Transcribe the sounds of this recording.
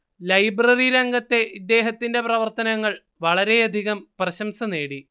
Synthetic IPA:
lɐjbrɐriɾɐŋɡɐt̪ːe̞id̪ːe̞ːɦɐt̪ːinde̞prɐʋɐrt̪ɐnɐŋːɐɭ | ʋɐɭɐɾe̞ɐd̪ʱiɣɐmprɐɕɐmsɐne̞ːɽi

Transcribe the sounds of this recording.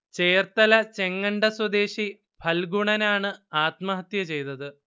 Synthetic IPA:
t͡ɕe̞ːrt̪ɐlɐt͡ɕe̞ŋːɐɳɖɐswɐd̪e̞ːɕi | pʰɐlɡuɳɐnaːɳɨaːt̪mɐɦɐt̪jɐt͡ɕe̞jt̪ɐðɨ

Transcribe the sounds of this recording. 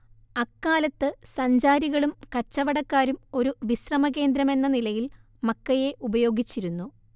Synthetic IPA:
ɐkːaːlɐt̪ːɨsɐɲd͡ʑaːɾiɣɐɭumkɐt͡ɕːɐʋɐɽɐkːaːɾumo̞ɾuʋisrɐmɐɣe̞ːnd̪ɾɐme̞nːɐnilɐjil | mɐkːɐje̞ʔubɐjo̞ːɡit͡ɕːiɾunːu

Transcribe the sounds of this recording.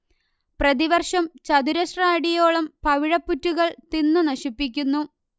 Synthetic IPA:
prɐðiʋɐrʂɐmt͡ɕɐd̪uɾɐsraːɽijoːɭɐmpɐʋiɻɐpːutːuɣɐɭt̪inːɨnɐɕipːik̬ʲːunːu

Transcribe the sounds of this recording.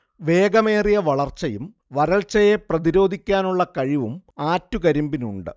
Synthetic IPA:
ʋe̞ːɡɐme̞ːrijɐʋɐɭɐrt͡ɕːɐjum | ʋɐɾɐɭt͡ɕɐje̞prɐðiɾo̞ːd̪ʱikʲːaːnuɭːɐkɐɻiʋumaːtːukɐɾumbinṵɳɖɨ̰

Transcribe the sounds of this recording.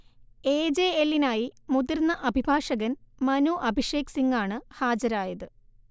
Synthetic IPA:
eːd͡ʑeelːinaːjimuðirnːɐʔɐbʱibʱaːʂɐɣɐnmɐnuʔɐbʱiʂeːksiŋɡaːɳɨhaːd͡ʑɐɾaːjɐðɨ

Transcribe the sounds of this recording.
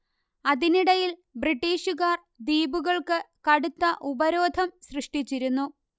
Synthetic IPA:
ɐðiniɽɐjilbriʈːiːɕuɣaːr | d̪iːbuɣɐɭkɨkɐɽut̪ːɐʔubɐɾo̞ːd̪ʱɐmɕrɨʂʈit͡ɕːiɾunːu

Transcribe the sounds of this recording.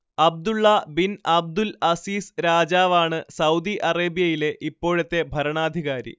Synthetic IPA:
ɐb̚d̪uɭːɐbinʔɐb̚d̪ulɐsiːsɾaːd͡ʑaːʋaːɳɨsɐwd̪iʔɐreːbijɐjile̞ʔipːo̞ːɻɐt̪ːe̞bʱɐɾɐɳaːd̪ʱiɣaːɾḭ

